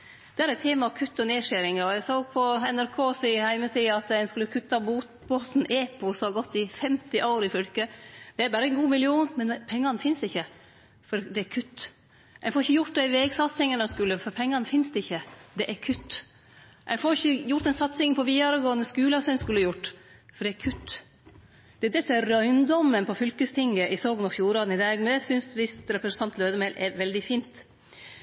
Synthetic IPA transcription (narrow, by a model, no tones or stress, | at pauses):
d̪ɛæɾɛt̪ʰːeːmɑɑkʰʉt̪ːɔneːʂæɾɪŋɑɾɔjæsoːɡpʰɔɛnæɾkʰoːsɪhæɪməsiːɑt̪æɪnskʉləkʰʉt̪ːɑb | boːt̪n̩ʔeːpʊsɔɑɡɔt̪ːɪfɛmt̪ɪʔɑʊɾɪfʏlkəd̪ɛæɾbæːɾəɛnɡuːmɪlɪuːnmɛnpʰɛŋːɑnfɪnsd̪ɪçːə | fɔɾd̪ɛæɾkʰʉt̪ː | ʔæɪnfɔɾɪçːəjʊʈ̪̚d̪ɛɪʋeːɡsɑt̪sɪŋənɛnskʉlːəfɔɾpʰɛŋːɑnəfɪnsd̪ɛɪçːəd̪ɛʔæɾkʰʉt̪ː | ʔæ̰ɪnfɔɾɪçːəjʊɾt̪ɛnsɑt̪sɪŋpʰɔʋiːd̪ɑɾəɡoːənəskʉːlɑsɛnskʉlːjʊʈːfɔɖɛæɾkʰʉt̪ː | d̪̥ɛæd̪ɛsɔɛɾœʏnd̪ɔmːənpʰɔfʏlkəst̪ʰɪŋɡəʔɪsoːɡnɔfjuːɾɑːd̪n̩ɪd̪ɑːɡmɛd̪ɛsʏnsʋɪst̪ɾɛpɾəsn̩t̪ɑnt̪lœːd̪əmɛɪlʔɛɾʋɛld̪ɪfiːnt̪